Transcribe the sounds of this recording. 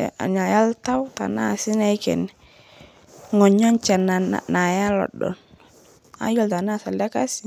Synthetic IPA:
a̰˨ɲa˨ja˦lta˦wta̰˨na˦˨sɪ˦na˦jkɛ̰˨nɛ | ŋɔ˨ɲɔ˦nt͡ʃa˨na̰˨na˨ja˦lɔ̰˨dɔ̰˨n | a̰˦jɔ˦lta˨na˦˨sa˨ldɛ˦ka˦s

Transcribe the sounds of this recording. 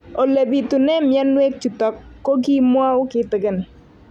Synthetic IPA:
o˨le˨bi˨tu˨nɛ˦mjɛ˦nwe˦k̚t͡ʃu˨tɔ˨kːo˦ɡi˦mwa˦wkɪ˦t̪ɪ˨ɡɪ˦n˨

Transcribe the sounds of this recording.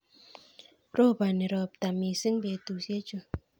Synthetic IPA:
ɾo˦˨ba˨ne˨ɾɔ˨p̚ta˨mi˨si˦ŋbe˨tu˨sje˦t͡ʃo˦

